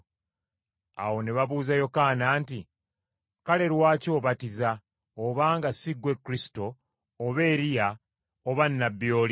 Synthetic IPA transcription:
a̰wo̞neβaβuːzajo̞kanaːnti | kale̞ɾwaːco̞ːβatiza | oβaːŋɡasiɡwe̞kːuɾisi̥to̞ː | βe̞ːɾija | oβanːabːjo̞ːli

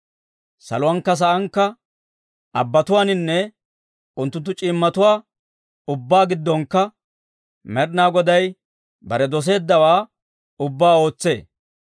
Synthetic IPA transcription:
sɐ̰lʊwɐnkːɐs̬ɐʔɐŋkːɐ | ʔɐbːɐt̪ʊwaːnɪnːɛ | ʊnt̪ːʊnt̪ːʊt͡ʃʼɪmːɐt̪ʊwaː | ʊbːaːɡɪd̪ːɔŋkːɐ | mɛɾnaːɡɔd̪ɐj | bɐɾɛd̪ɔs̬e̞ːd̪ːɐwaː | ʊbːaːo̞ːt͡sːe̞̰ː

